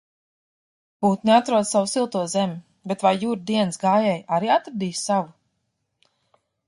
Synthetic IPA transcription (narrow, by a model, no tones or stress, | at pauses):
b̥uːt̪neat̪ɾuɔd̪savusilˠt̪uɔzɛmʲi | bet̪vajːuːɾd̪iɛnsɡaːjɛːjaɾiːat̪ɾd̪iːssavu